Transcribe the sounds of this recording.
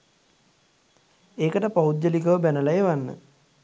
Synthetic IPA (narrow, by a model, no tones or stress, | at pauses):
eːkəʈəpaud̪jəlikəʋəbænəlajeʋanːə̰